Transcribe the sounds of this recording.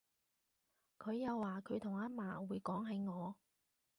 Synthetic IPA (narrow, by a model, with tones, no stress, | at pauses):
kʰɵ˨˧ɥjɐ˨˧wːaː˨kʰɵ˨˧ɥt̪ʰʊ˨˩ŋaː˨˥maː˨˩wuː˨˧jkɔː˨˥ŋɦɐ˨˧jŋɔː˨˧